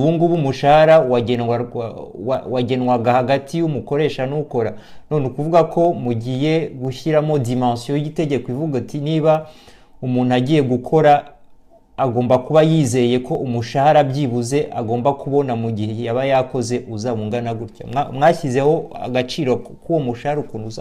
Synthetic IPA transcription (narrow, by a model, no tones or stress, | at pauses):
uβuːŋɡuβumuʃahaɾawaɟeawawaɟe̞nwaɡahaɡatʰiumuko̞ɾe̞ːʃanuko̞ɾanonekuvuɡakʰo̞muɟije̞ɡuçiɾamo̞dimãːsjoite̞ɟe̞kwivuɡatiniːβa | umuːn̥uaɟiːje̞ɡukʰo̞ɾaː | ɡo̞ːmbakuβajiːze̞ɾje̞ko̞umuʃahaɾabɟiβuze̞ʔaɡo̞ːmbakuβo̞namuɟiheejaβajako̞ze̞ʔuzaβuŋɡanaɡuɾca̰amŋaːçize̞ho̞a̰ɡat͡ʃiːɾo̞ | kuwomuʃahaɾukonuza